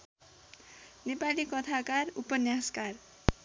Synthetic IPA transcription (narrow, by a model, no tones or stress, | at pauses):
nepalikʌt̪ʰakarupʌnjaskar